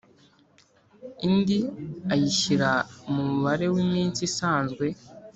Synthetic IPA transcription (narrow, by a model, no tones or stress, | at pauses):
indiajiʃiɾaumuuβaɾe̞wimiːnt͡sisaːnzɡwe̞